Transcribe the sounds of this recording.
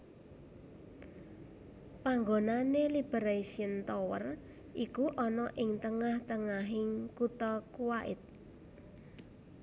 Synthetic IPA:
paŋɡonanelib̥eɾeisiənt̪owə̰r | ʔikuʔɔnɔʔɪŋt̪əŋaht̪əŋaɦɪŋkut̪ɔkuwaʔɪ̰t̪̚

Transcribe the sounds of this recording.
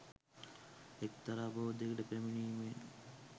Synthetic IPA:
ekt̪aɾaːboːd̪ekəʈəpɾæminiːme

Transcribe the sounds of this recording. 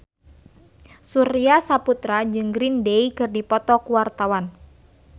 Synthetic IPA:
suɾiasaput̪ɾad͡ʒɨŋɡɾindeikɨrdipɔt̪ɔkuwart̪awan

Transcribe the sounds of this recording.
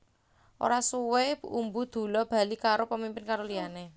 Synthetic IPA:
ʔo̰ɾasuwebumbud̪̥o̤lɔb̥a̤likaɾopəmimpɪnkaɾoliane

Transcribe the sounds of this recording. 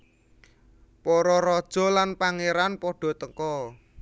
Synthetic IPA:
pɔɾɔɾɔd̥ʒ̥ɔ̤lanpaŋeɾanpɔɖ̥ɔ̤t̪əŋkɔ

